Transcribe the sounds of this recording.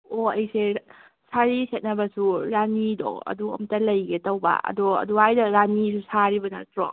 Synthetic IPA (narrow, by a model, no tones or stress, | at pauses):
oɐjse | sʰaɾisʰet̚nabasuɾanidɔ̰kɐ̰duɐ̰mtalɐjɡetawba̰ɐ̰dɔɐ̰duajdaɾanisʰusaɾibɐna̰tɾɔ̰